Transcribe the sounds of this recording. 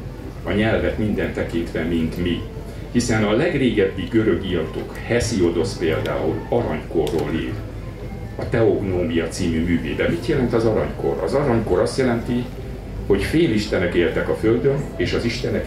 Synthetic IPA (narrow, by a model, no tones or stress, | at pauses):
ɒɲɛlvɛt̪mind̪ɛnt̪ɛkint̪ʋɛmint̪mi | hisɛnɒlɛɡreːɡɛbːiɡø̞ɾø̞ɡijɒt̪o̰khɛsio̞d̪o̞speːld̪a̰ːṵlɒɾɒɲko̞rːoːlḭːɾ | ɒt̪ɛoɡnoːmijɒt̪siːmymyːvḛːb̪ɛmit̪jɛlɛnt̪ɒzɒɾɒɲko̞̰ɾɒzɒɾɒɲko̞ɾɒst̪jɛlɛnt̪i | ho̞cfeːliʃt̪ɛnɛkeːlt̪ɛkɒfø̞ld̪ø̞neːʃɒziʃt̪ɛnɛ